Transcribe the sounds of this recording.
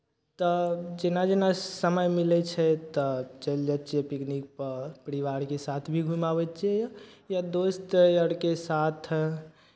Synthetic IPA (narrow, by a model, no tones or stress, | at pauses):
t̪ɔd͡ʒenad͡ʒenasəməjmilɛt͡ʃʰɛt̪ɔt͡ʃəld͡ʒətːt͡ʃiɛpiknik̚pəɾpəɾiʋaɾkesat̪ʰbʱiɡʱumabɛt͡ʃʰiɛjjad̪ost̪jəɽkesat̪ʰ